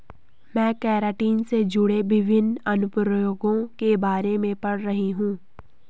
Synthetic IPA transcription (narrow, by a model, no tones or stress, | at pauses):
mɛ̃ːkɛːɾaːʈiːnsed͡ʒʊɽeʋɪʋʱɪnɐnʊpɾjoːɡõkebaːɾemẽpɐɽɾɐɦiɦũː